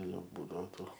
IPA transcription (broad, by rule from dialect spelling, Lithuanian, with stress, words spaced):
ˈjɛʊ ˈbuːdɐʋoː ˈtuː